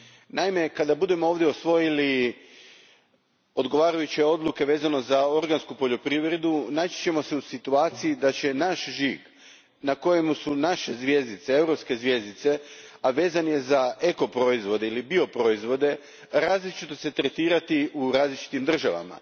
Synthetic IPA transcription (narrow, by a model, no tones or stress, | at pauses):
naime̞kad̪abud̪e̞mo̞oːʋd̪jeosʋo̞jili | o̞d̪ɡo̞ʋaːɾajut͡ɕeo̞d̪luke̞ʋe̞ːzano̞zao̞ɾɡanskupo̞ʎo̞pɾiʋɾe̞d̪unaːt͡ɕi̥t͡ɕe̞mo̞seusit̪uaːt̪sijid̪at͡ɕe̞naʃʒiɡ | nako̞je̞musunaʃe̞zʋʲje̞zit̪see̞wɾo̞pske̞zʋje̞zd̪it̪se̞aʋe̞ːzanje̞zae̞ko̞pɾo̞izʋo̞d̪eilibio̞pɾo̞izʋo̞d̪e̞ | ɾaːzlit͡ʃit̪o̞se̞t̪ɾe̞t̪iːɾat̪iuɾaːzlit͡ʃi̥t̪imd̪r̩ʒaʋa̰ma̰